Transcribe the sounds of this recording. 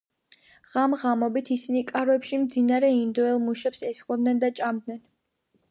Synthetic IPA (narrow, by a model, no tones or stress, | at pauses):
ʁ̥amʁamɔbit̪ʰisinikʼaɾɛpʃimd̪zinaɾɛind̪ɔɛlˠmuʃɛpsɛsχqʼɔd̪nɛnd̪at͡ʃʼamd̪nɛn